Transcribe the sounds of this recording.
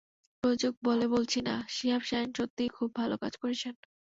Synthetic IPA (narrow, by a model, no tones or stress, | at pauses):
pɾod͡ʑuɡ̚bolebolt͡ɕʰinaʃiɦabʃainʃot̪ːijkʰubːʱaloka̰d͡ʑkoɾet͡ɕʰen